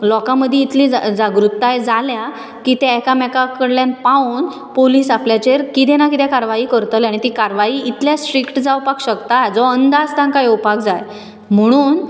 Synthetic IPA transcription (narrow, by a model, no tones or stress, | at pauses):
lɔkaməd̪ʱːjeit̪ʰlid͡zd͡zaɡɾut̪ːajd͡zalja | kit̪ɛɛkamɛkakəɽljanpaun | poliːsapljat͡ɕeɾkit̪ɛnakit̪ɛkaɾʋaiːkəɾt̪əlaɽ̃it̪ikaɾʋaiːit̪ʰljasʈɾikʈd͡zaupakɕəkt̪ad͡zɔənd̪ad͡zt̪ãnkajupakd͡zaj | m̤əɽ̃uːn